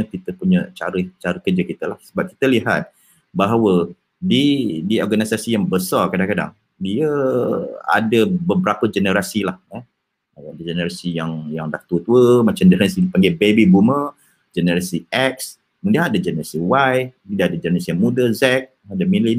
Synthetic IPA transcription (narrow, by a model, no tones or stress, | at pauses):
kit̪əpuɲət͡ʃa̰ɾət͡ʃaɾəkəd͡ʒəkit̪əlahsəbap̚ki̥t̪əliɦa̰t̪̚ | baɦawə | didiɔrɡanisasijaŋbəsɔrkadaŋkada̰ŋ | diə | a̰dəbəbəɾapəd͡ʒənəɾasilahɛ | adad͡ʒənəɾasijaŋjaŋdah̚t̪uət̪uəmat͡ʃamd͡ʒɛnɾasidipaŋɡajbebibumə | d͡ʒənəɾasiɛk̚s | mundiaŋadad͡ʒənəɾasiwajmindaadad͡ʒənəɾasijaŋmudəzɛk̚adəmili